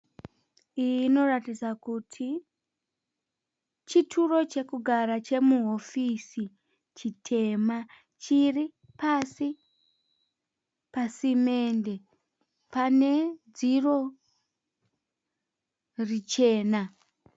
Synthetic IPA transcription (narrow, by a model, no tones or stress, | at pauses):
ijiːno̞ratid͡zakutʰi | t͡ʃitʰuro̞t͡ʃe̞kuɡʱaɾat͡ʃe̞muɦo̞fisi | t͡ʃitʰe̞ma | t͡ʃiri | pasi | pasime̞ːnde̞ | pane̞d͡ziro̞ | rit͡ʃe̞ːna